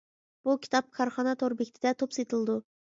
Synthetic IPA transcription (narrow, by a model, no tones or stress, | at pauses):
b̥ukʲi̥t̪ʰɑp̚kʰɑɾχɑnɑt̪ʰoɾbekʲt̪ʰɪd̪ɛt̪ʰopset̪ʰɨlˠd̪u